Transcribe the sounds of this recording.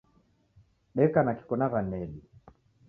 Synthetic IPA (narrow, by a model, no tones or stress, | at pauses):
ɓɛkanaki̥kɔnaɣanɛli